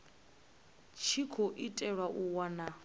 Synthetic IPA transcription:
t͡ʃʰikʰoʔitʼɛɺwaʔuwana

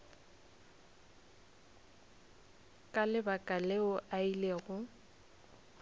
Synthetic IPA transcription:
kʼalɪbakʼaleʊʔaileːɣʊ

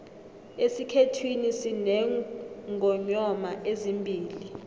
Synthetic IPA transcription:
esikʰetʰwinisinɛŋɡʱɔɲɔmaʔezimbʱiːli

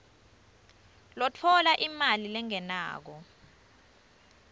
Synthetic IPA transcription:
lɔtʰɔlaʔimalilɛŋɛna̰ːk̬ɔ

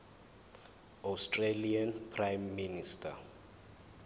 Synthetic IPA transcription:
awstʰʼrelianpʰrajmːinistʰʼa

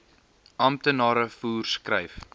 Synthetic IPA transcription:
ɐmt̪ənɑːɾəfuːrskrəjf

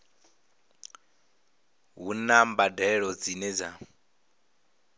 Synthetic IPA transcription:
ɦunambadɛɺɔd͡zinɛd͡za

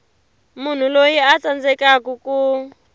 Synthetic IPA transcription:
mun̤ulojiat͡sand͡zɛkakuku

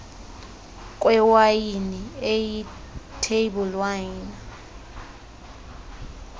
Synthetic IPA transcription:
k̬ʼwɛwajinieji | tʰeɓulwana

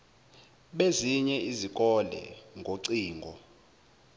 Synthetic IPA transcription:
ɓeziɲɛizik̬ʼɔlɛ̰ŋɡʱoǀiːŋɡʱɔ

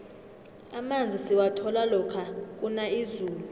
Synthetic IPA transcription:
amand͡zʱisiwatʰɔlalɔkʰak̬ʼunaizuːlu

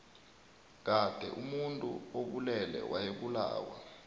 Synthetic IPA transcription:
k̬ad̥ʱɛ̰ʔumuntʼṵoɓulɛlɛ̰wʔajeɓula̰ːwa

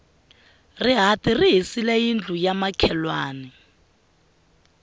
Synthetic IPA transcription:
rɪɦatʼiriɦisilɛjind͡ɮʱujamakʰɛlwaːnɛ

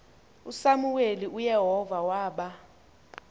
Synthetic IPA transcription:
usamuweliʔujɛɦɔvawaːɓa

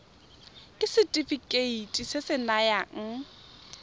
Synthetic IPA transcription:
kʼɪsɪtʼifikʼeitʼisɪsɪnajaŋ̩

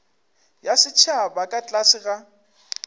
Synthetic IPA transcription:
jasɪt͡ʃʰabakʼat͡ɬʼasɪɣa

